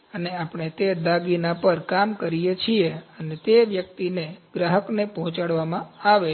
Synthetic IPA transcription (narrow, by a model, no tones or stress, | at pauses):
əneapɳ̃et̪ed̪aɡinapəɾkamkəɾijet͡ʃʰieənet̪eʋjək̚t̪ineɡɾaɦəknepɔɦɔ̃t͡ʃaɽʋamãaʋe